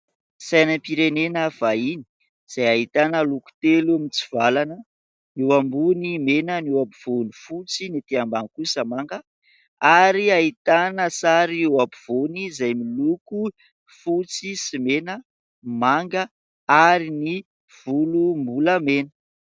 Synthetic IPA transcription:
sajnəmpiɾenenəv̥aini̥ | z̥ajaɦit̪anəluku̥t̪eluamint͡siv̥alanə | niwambunimenəniwapiv̥onifut͡sinit̪eambaŋkusəmaŋɡə | aɾiait̪anəsaɾiewapiv̥onizajmiluku | fut͡sisimenə | maŋɡə | aɾini | v̥ulumbuləmenə̥

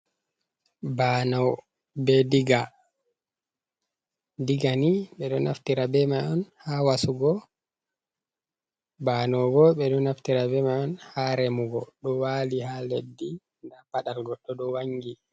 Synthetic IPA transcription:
banɔw | bɛdiɡa | diɡaniɓɛɗɔnʔa̰ftiɾabɛmajʔɔnhawasuɡɔ | banɔwɡɔɓɛɗɔnaftiɾabɛmajɔnhaɾɛmuɡɔɗɔwalihaledːi | ndapaɗalɡɔɗɔɗɔwaŋːɡi

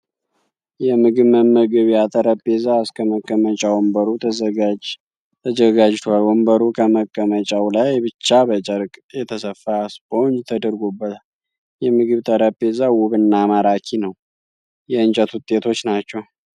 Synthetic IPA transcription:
jɛmɨɡɨβmənməɡɨβjat̪ʰʼəɾəpːezaɨskʰəməkʼːəmət͡ʃʼawɔmbəɾu | t̪ʰəzəɡad͡ʒt̪ʰwalwɔmbəɾukʰəməkʼːəmət͡ʃʼawlajbɨt͡ʃːabət͡ʃʼəɾkʼjɛt̪ʰəsəfːasbəond͡ʒt̪ʰəd̪əɾɡobːət̪ʰal | jɛmɨɡɨβt̪ʰəɾəbe̞zawʊβɨnːamaɾakʰinəw | jɛɨnt͡ʃʼət̪wʊt̪ʼːe̞t̪ʰo̞t͡ʃːnat͡ʃːɛw

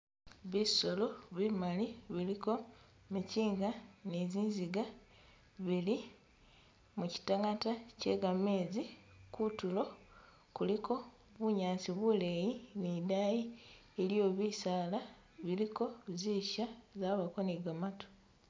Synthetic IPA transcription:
βiso̞lo̞βimaliβiliko̞ | miciːŋɡaneziːnziɡa | βili | muci̥taŋatace̞̰ɡameːzikutulo̞ | kulikʰo̞ | βuɲaːnsiβulejinidaji | eljo̞ːβiːsaːla | βiliko̞ziːʃazaːβakoniɡamato̥

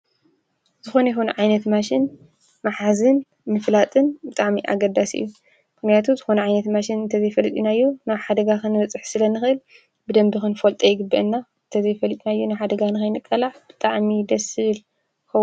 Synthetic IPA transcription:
z̥ɨxonɐjxonɐʕajnɐt̪maʃɪn | maħazɨn | mɨflat̪ʼɨnbɨt̪ʼaʕmiʔa̰ɡɐd̪asɨ̰jːu | mɨxnijat̪ʰuzɨxonɐʕajnɐt̪maʃɪnɨnt̪ʰɐzɐjfɐlɨt̪ʼinajːunaβħad̪ɐɡakɨnɨβɐt͡sʼɨħsɨlɐnɨxɨʔɨl | bɨd̪ɐmbɨxɨnfolt̪ʼɐjɪɡɨbːɐʔɨnːaɨnt̪ʰɐzɐjfɐlɨt̪ʼinajːunɨħad̪ɐɡanɨxɐjnɨkʼːɐlaʕb̥ɨt̪ʼaʕmid̪ɐsɨβɨl | kɐw

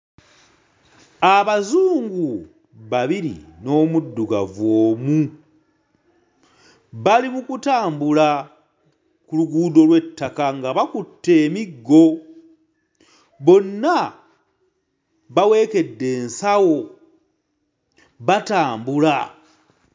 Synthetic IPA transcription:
aβazuːŋɡu | βaβiɾḭno̞ːmudːuɡa̰voːmu | βalimukutaːmbula | kuluɡuːdo̞lwe̞tʰːakaŋɡaβakutːe̞ːmiɡːo̞ | βo̞nːa | βawe̞ːke̞dːe̞ːnsawo̞ | βataːmbula

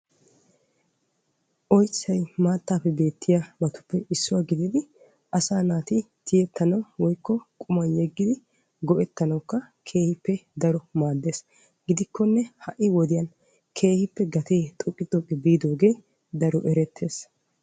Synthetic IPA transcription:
ʔɔjt͡sːɐjmaːt̪ːaːpːɛbe̞ːt̪ʰːɪjamɐt̪ʊ̥pːɛʔɪsːʊwaːɡɪd̪ɪd̪ɪ | ʔɐsaːnaːt̪ɪ | t̪ʰɪjɛt̪ːɐnɐwwɔjkːɔkʼʊmɐnjɛɡːɪd̪ɪ | ɡɔʔɛt̪ːɐnɐwkːɐ | kʰe̞ːhɪpːɛd̪ɐɾɔmaːd̪ːe̞ːs | ɡɪd̪ɪkʰːɔnːɛhɐʔːɪwɔd̪ɪjɐn | kʰe̞ːhɪpːɛɡɐt̪eːt̪ʼɔkʼːɪt̪ʼːɔkʼːɛbiːd̪o̞ːɡe̞ː | d̪ɐɾɔʔɛɾɛt̪ʰːe̞ːs

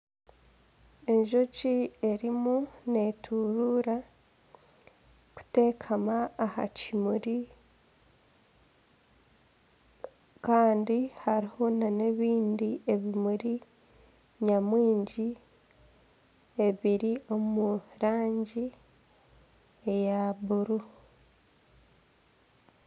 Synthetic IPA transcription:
e̞ɲʒo̞cie̞ɾimune̞tʰuɾuːɾa | ku̥te̞ːkʰamaːha̰cimuɾi | kaːndihaɾiho̞nane̞βiːndie̞βimuɾi | ɲamwiːɲɟi | e̞βiɾio̞muɾaːɲɟi | ejaβuɾu

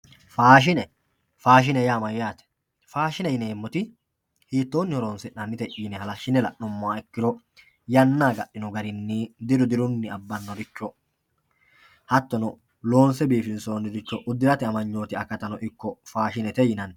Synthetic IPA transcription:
faːʃ̬ɪnɛ | faːʃ̬ɪnɛjaːmɐjjaːt̪ɛ̥ | faːʃɪnɛjɪneːmːʊt̪ɪ | hiːt̪ːo̞ːnːɪhɔɾoːnsɪʔɐmːɪt̪ɛʔiːnɛhɐlɐʃːɪnɛlɐ̰ʔɔmːɔaɛkːɪɾɔ | jɐnːaːɡɐɗːɪnɔɡɐɾɪnːid̪ɪɾʊd̪ɪɾʊnːɪɐbːɐnːɔɾɪt͡ʃːɔ | hɐt̪ːɔnɔ | lo̞ːnsɛbiːfɪnsoːnːɪɾɪt͡ʃːɔʔʊd̪ːɪɾɐt̪ɪɐmɐɲːoːt̪ɪɐkːɐt̪ɐnɔʔɪkːɔfaːʃɪnɛt̪ɛjɪnɐn

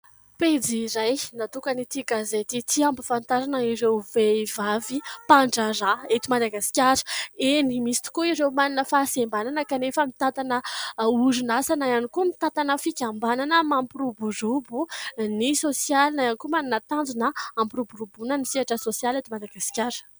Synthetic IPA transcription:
ped͡ziɾajnat̪ukənit̪iɡazet̪it̪iambufant̪aɾanaiɾewvevavipaɳɖ͡ʐaɾaet̪imad̪aɡasi̥kʲaɾə̥enimisi̥t̪i̥kuiɾewmaninəfasembananəkanefəmit̪at̪anəuɾunasanajanikumit̪at̪anəfikʲambananamampiɾuburubunisosjalnajanikumaninət̪and͡zunəampiɾubuɾubunənisiaʈ͡ʂəsosjalet̪imad̪aɡasi̥kʲaɾ

